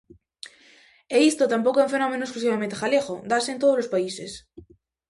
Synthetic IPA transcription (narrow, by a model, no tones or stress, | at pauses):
eist̪ot̪ampokoeũfe̞nomẽnoesklusiβement̪exalexod̪asẽnt̪oð̞ozlospaises